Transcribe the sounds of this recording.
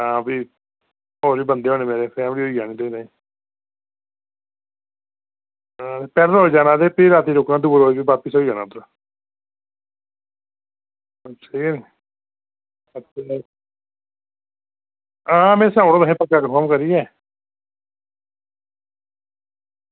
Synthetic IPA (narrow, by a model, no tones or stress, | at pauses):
ãːbiː | oːɾiːbənd̪eːɦoːneːmeːɾeːpʰɾɛːmɾiːɦoːiːd͡ʒaːnĩːd̪ẽnaĩː | ãːt̪eːpɛːɾəɾɦoːiːd͡ʒaːnãːd̪eːpiɾaːt̪iːɾoːknãːd̪uːbɾoːibibaːpəsoːiːd͡ʒaːnãːt̪ɾaː | ət͡ʃʰiː | ə | ãːmɛ̃ːsãːʊɽoːd̪əɦẽːpəkːaːkəpɔːmkəɾiːɛː